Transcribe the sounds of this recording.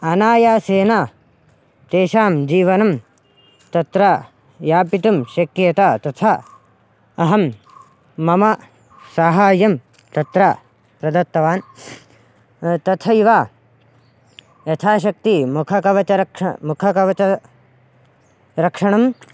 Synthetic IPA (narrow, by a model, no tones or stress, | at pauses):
ɐnaːjaːseːna | t̪eːʃaːmd͡ʒiːʋɐnɐm | t̪ɐt̪ɾa | jaːpit̪umʃɐkjeːt̪aːt̪ɐt̪ʰɐ | ɐɦɐmː | ɐmɐ | saːɦaːjɐm | t̪ɐt̪ɾa | pɾɐd̪ɐt̪ːɐʋaːn | t̪ɐt̪ʰɐiʋaː | jɐt̪ʰaːʃ̬ɐk̚t̪imukʰɐkɐʋɐt͡ʃɐɾɐkɐmukʰɐkɐʋɐt͡ʃɐ | ɾɐkʂɐɳɐm